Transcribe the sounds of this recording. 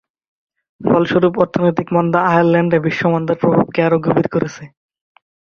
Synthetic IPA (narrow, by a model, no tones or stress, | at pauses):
fɔlʃoɾupɔɾt̪ʰonojt̪ikmɔnd̪aajaɾlɛɳɖebiʃːomɔnd̪aɾpɾobʱab̚keaɾoɡʱobit̪koɾet͡ɕʰe